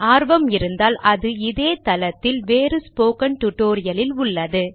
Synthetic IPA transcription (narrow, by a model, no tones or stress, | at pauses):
aːɾʋɐmɪɾɯnd̪aːlɐðɯɪðeːt̪ɐlɐt̪ːɪlʋeːɾɯspoːkɐɳʈ̪ʊʈːoːɾɪjɐlɪlʊɭːɐðɯ